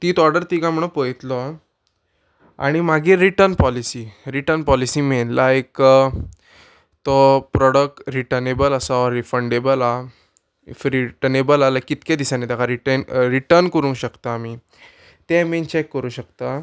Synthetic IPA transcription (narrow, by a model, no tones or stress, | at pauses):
t̪iːt̪ɔɾɖəɾt̪iɡãm̤əɽ̃õpəjt̪lɔ | a̰ɽ̃imaɡiɾiʈəɾnpɔlisiːɾiʈəɾnpɔlisiːmenlaek | t̪ɔpɾɔɽək̚ʈɾiʈənebələsaɾifəɳɖebəla | fɾiʈənebəlalakit̪ked̪isanet̪akʰaɾiʈənɾiʈəɾnkəɾũŋkɕəkt̪aːmi | t̪ɛment͡ɕekːəɾũːɕəkt̪a